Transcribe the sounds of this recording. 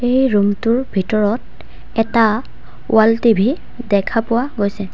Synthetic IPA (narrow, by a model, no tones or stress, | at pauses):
ejɹumtʊɹbʱitɔɹɔt | ɛta | w̰altibʱi | dɛkʰapʊwaɡojsɛ